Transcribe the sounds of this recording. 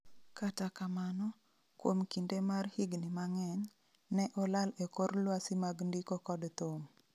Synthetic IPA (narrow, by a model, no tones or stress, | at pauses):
katakamanɔ | kwomkindemarhiɡnimaŋɛɲː | ɛʔɔlalekoɾlwasimaɡndikokɔdt̪om